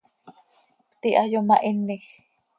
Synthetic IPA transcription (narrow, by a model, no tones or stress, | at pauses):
pt̪iʔajomaʔinːix